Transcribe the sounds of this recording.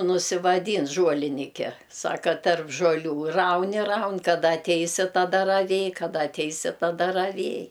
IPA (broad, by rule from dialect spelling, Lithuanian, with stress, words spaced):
nʊsʲɪʋɐˈdʲiːn ʒuɔlʲɪˈnʲɪkʲɛ ˈsɑːkɐ tɐrp ʒuɔˈlʲuː ˈrɐʊn ɪ ˈrɐʊn kɐˈdɐ ɐtʲˈɛɪsʲɪ tɐˈdɐ rɐˈʋʲeːj kɐˈdɐ ɐtʲˈɛɪsʲɪ tɐˈdɐ rɐˈʋʲeːj